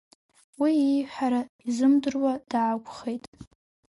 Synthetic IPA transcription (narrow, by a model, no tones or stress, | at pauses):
wiijħaɾaizɨmdɨrwad̥aːkʷʰʼχejtʼ